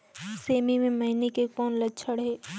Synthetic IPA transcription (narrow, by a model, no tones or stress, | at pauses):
seːmimẽmɐɦinekekɔːnlət͡ʃʰəɽɦɛː